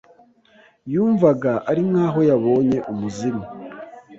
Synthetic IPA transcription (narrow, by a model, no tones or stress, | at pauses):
juːɱvaɡaʔaɾimŋaːɦo̞jaβo̞ːɲe̞ʔumuzima